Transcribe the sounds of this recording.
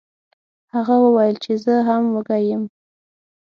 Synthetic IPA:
haɣawəwajəlt͡ʃezəɦamwəɡajəm

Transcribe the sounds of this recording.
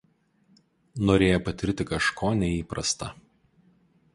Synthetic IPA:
noːɾʲeːjoːpɐt̪ʲɪɾʲt̪ʲɪkɐʃkʰoːnʲɛiːpɾɐ̰st̪ɐ

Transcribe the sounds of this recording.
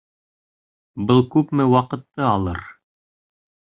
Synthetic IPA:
bɤlˠkʉpmɘwɑqɤ̆t̪ːɤɑlˠɤ̰ɾ

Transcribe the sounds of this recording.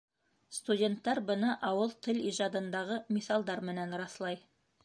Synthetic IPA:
st̪udʲe̞nt̪ːæɾbɤnɑʔɑwɤlˠt̪ʰɘliʒɑd̪ɤ̆nd̪ɑʁɤmisɑlˠd̪ɑɾmɘ̆nænɾɑθlˠɑj

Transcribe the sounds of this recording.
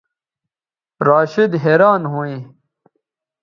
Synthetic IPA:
ɾaːɕid̪ɦeːɾaːnɦuːĩː

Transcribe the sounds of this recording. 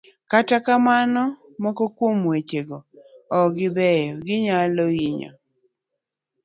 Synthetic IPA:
katakamanɔ | mɔkɔkwomwet͡ʃeɡɔɔɡɪbɛjɔɡɪɲaloiɲɔ̰

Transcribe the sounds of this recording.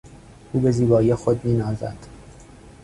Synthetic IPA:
ʔuːbe̞ziːbɒːijexod̪̚miːnɒːzæ̰d̪̥

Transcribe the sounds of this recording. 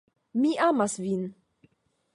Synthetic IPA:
miʔamasvin

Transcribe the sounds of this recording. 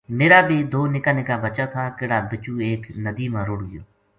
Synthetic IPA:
meːɾaːbeːd̪oːnɪkaːnɪkaːbət͡ʃaːt̪ʰaːkɪɽaːbɪt͡ʃuːeːknəd̪iːmãːɾʊɽɡɪjoː

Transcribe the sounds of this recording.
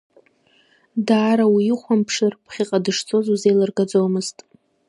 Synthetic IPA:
daːɾawiɪχʷampʰʂɨrpχʲiqʼadɨʂt͡sʰʼo̞zuzejlɨrɡad͡zomɨztʼ

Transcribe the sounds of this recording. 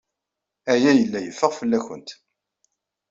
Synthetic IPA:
æjæjəlːæjəfːəʁfəlːæçə̰nt̪

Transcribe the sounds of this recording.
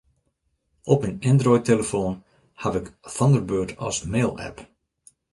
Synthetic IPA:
ʔɔpmɛnɛndrɔjteləfoːn | haʋɪkθɔndərbøːtʰɔ̰smeːlˠɛ̰p

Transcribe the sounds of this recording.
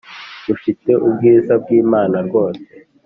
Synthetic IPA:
d̥ufit͡se̞ʔubɡiːzab̚ɡiːmaːnaɾɡo̞ːse

